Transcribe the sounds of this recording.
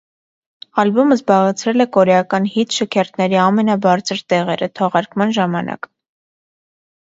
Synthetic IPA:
ɑlbɔməzbɑʁɛt͡sʰɾɛlɛkɔɾɛɑkɑnhit̪ʃəkʰɛɾt̪nɛɾiɑmɛnɑbɑɾt͡sʰəɾt̪ɛʁɛɾət̪ʰɔʁɑɾkmɑnʒɑmɑnɑ̰k

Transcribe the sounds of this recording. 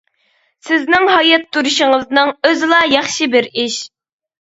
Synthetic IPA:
sɪznɪŋɦɑjɛt̪ʰːuɾuʃɪŋəznɨŋøzɪlˠɑjɑχʃibɪɾiʃ

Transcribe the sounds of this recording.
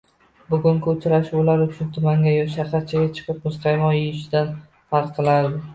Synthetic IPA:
bʊɡʲʊŋkʲʰːt͡ʃʰɾaʃbolaɾʊt͡ʃʰʊnt̪ʰʊmaŋɡʲajɒʃaɾqaɾ̚t͡ʃʰaɡʲat͡ʃʰɨ̥qʰɨp̚mʊsqʰɑjmɒjɪjɪʃɪd̪an | faɾqqʰːɨlˠaɾd̪ɪ

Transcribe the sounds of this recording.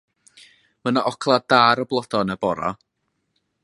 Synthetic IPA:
mənaʔɔkʰlˠad̥aɾɔblˠɔd̥ɔnabɔɾa̰

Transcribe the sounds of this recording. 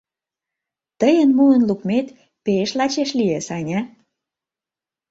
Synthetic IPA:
t̪əjənmuənlukmet̪ | peʃlɑt͡ɕeʃliesɑnʲɑ

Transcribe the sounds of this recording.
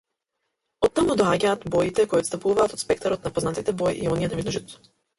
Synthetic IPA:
ɔt̪ːamud̪ɔaɟaːt̪bɔjit̪ɛkojɔt̪st̪apuvaːt̪ɔt̪spɛkt̪aɾɔt̪napɔznat̪it̪ɛbɔjʔiɔnijɛt̪avid̪ɔʒɛt̪t̪ɔ̥

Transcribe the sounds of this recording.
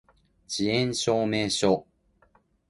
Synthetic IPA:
t͡ɕiẽnɕoːmeɕo

